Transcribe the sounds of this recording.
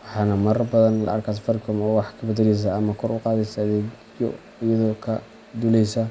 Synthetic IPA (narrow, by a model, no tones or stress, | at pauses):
wɑħɑːnɐmɐrbɐðɐnlɐ̰ʔɐ̰rkʰas̬fɐrkʰɔmɔːwɑħkʰɐbɐd̪ɐlɛjs̬aɐmɐkʰɔɾʊqɑːðɛsɐːðɛːɡ | jɔ̰ | ɪjɐðɔːkʰɐ | d̪ulɛjsɐ